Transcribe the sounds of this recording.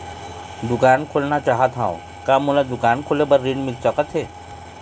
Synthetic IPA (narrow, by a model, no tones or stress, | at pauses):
d̪ʊkaːnkʰolnat͡ʃaːɦat̪ʰɦaõ̰ | kaːmulad̪ʊkaːnkʰolebɐɾːinmɪlt͡ʃəkət̪ʰɦeː